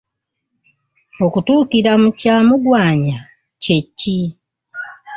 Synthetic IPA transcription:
o̞kutuːkiɾamucaːmuɡwaːɲa | ce̞cːi

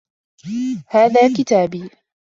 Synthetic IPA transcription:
haːðaːkɪt̪aːbiː

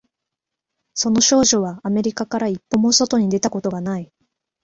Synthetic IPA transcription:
so̞no̞ɕo̞ːʑo̞βaːme̞ɾʲikakaɾaipːo̞mo̞so̞t̪o̞ɲ̟id̪e̞t̪ako̞t̪o̞ɡanai

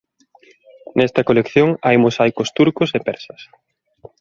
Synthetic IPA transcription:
nɛst̪ɐkolekθjoŋajmosajkʊst̪uɾkʊsepɛɾsɐs

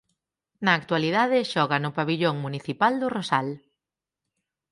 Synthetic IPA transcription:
nɐːk̚t̪waliðaðɪʃɔɣɐnʊpaβiʎoŋmuniθipald̪ʊrosal

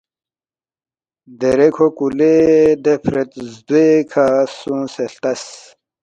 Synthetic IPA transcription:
d̪eɾekʰokuled̪epʰɾet̪zd̪uekʰasũːseɬt̪ɐs

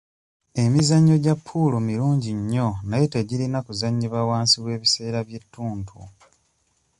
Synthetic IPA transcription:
e̞mizaɲːo̞ɟapʰːulomiɾuːɲɟiɲːo̞naje̞teɟilinakuzaɲːiβawaːnsiβwe̞ːβise̞ːɾaβje̞tːuːntʰṵ

